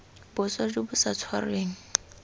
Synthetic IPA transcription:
bʊswad͡ʒʊbʊsat͡sʰwareːŋ̩

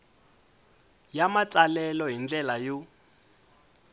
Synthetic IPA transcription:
jamat͡sʼalɛlɔɦind͡ɮɛlaju

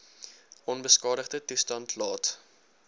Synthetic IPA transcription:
ɔnbəskɑːdəχdətustɐntʰlɑːt

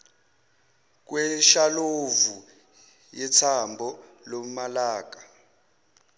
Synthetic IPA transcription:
k̬wɛʃalovu | jɛt͡sʰambʱɔlomalaːk̬ʼḁ

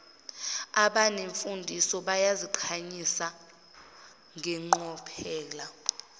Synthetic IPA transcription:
aɓaneɱfundʱisɔɓajaziǃʰaɲisa | ŋʱɛŋ͡ǃɔpʰɛːla

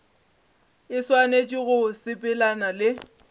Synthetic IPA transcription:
ɪswanet͡ʃʼiɣʊsɪpʼɪlanalɪ

